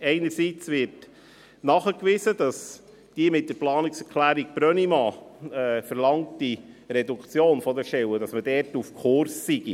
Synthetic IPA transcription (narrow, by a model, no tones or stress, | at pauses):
ɛɪnəɾsiːt͡svɪɾt | nɑχəkʋɪsəd̥ɑs | d̥iːmɪt̚d̥əɾplɑːniksɛɾkʰlæːɾiɡ̚b̥ɾœnimɑɛfəɾlɑŋtd̥iɾɛdukt͡sjoːnfɔdəʃɛwədɑsmədɛːɾtufkʰʊɾsːiɡ̥i